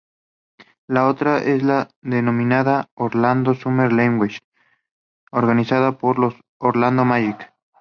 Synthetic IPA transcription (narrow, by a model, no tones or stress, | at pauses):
lao̞t̪ɾaʔezlaðenõ̞mĩnaðaoɾland̪osumeɾleŋɡwiʃ | oɾɣanisaðapoɾlos | oɾland̪omajik